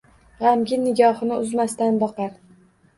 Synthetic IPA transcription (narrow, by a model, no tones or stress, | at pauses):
ʁamɡʲɪnɪɡʲɒhɨnɪʊzmast̪anbɒqɑɾ